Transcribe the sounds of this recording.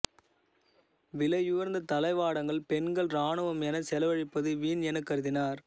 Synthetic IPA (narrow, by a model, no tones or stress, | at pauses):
ʋɪlɐjɯʋɐɾnd̪ɐt̪ɐlɐɪʋaːɽɐŋɡɐɭpɛnɡɐɭɾaːɳɯʋɐmɛnɐsɛlɐʋɐɻɪpːɐðɯʋiːnɛnɐkːɐɾɯðɪnaːɾ